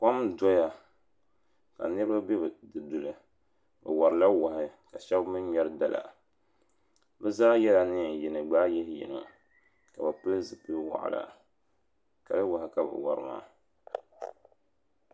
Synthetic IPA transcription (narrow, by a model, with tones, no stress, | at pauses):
ka˦mdɔ˦ja˨ | ka̰˨nɨ˦ɾɨ˦ba˦bɛ˦bɨ˨dɨ˨du˨lɨ˨ | bɨ̰˨wa˨ɾɨ˨la˦wa˨hɪ˦ka˨ʃɛ˦bmɨ˦ɲɛ˦ɾɨ˦da˨lʔa̰˨ | bɛ˦zaː˦jɛ˦la˨nɨ˦˨ji˨nɨ˨ɡ͡baː˦jɛ˦hjḭ˨nɨ̰˨ | ka˨bɨ˨pɨ˦lɨ˦zɨ˨pɨ˦wa̰˨ʔla̰˨ | ka̰˨lɨ˦wa˨hɪ˦ka˨bɨ̰˨wa̰˨ɾɨ̰˨ma̰ː˦˨